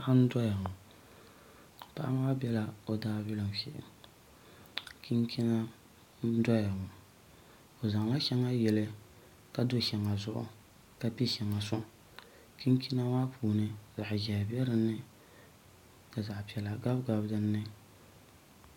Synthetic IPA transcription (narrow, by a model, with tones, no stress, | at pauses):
ʔa˦n̩˦dɔ˦ja˨ŋʊ˨ | pa̰˦ʔa̰˦ma˦bʲɛ˦la˦o˨daː˦bi˦lɨ˨m˨fɛ̰˦ʔɪ̰˨ | kʰi˦ŋkʰi˦na˦ | n̩˦dɔ˦ja˨ŋʊ˨ | o˨za˨ŋla˦ʃɛ˦ŋa˦jɛ˨lɨ˦ | ka˨do˦ʃɛ˨ŋa˨zʊ̰˦˨ʔʊ̰˨ | ka˨pi˦ʃɛ˨ŋa˨sʊ˦ | ki˦ŋ˦kʰi˦na˦maː˦pʰuː˨nɨ˦za˨ʔʒɛ˨bɛ˦ɾɨ˦nːɨ˦ | ka˨za˨ʔpi˨ɛ˨la˨ɡa˦bɡa˨bdɨ˦nːɨ˦